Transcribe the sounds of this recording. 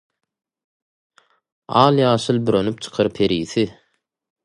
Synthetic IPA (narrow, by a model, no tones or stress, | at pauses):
ɑːlˠjɑːʃɯlˠbyɾønyp̚t͡ʃʰɯ̥qʰɑɾpʰeɾiːθi